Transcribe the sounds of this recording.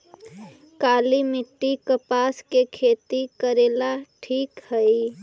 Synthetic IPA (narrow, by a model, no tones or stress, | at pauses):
kalimɪʈːikəpaskekʰet̪ikəɾelaʈʰiːkhəj